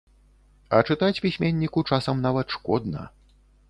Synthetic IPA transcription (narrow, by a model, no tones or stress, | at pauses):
ɐ̰t͡ʂɨt̪at͡sʲpʲisʲmʲenʲːikut͡ʂasɐmnavɐt̪ʂkɔd̪nɐ̰